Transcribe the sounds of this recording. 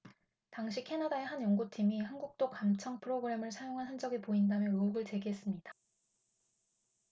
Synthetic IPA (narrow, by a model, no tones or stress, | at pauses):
taŋɕʰikʰe̞nadae̞ɦanjʌŋɡutʰimihanɡuk̚t͈okamt͡ɕʰʌŋpʰɯɾoɡɯɾe̞mɯɭsʰajoŋɦanɦand͡ʑʌɡepoindamjʌnouɡɯɭt͡ɕe̞ɡiɦe̞s͈ɯmɲid̥a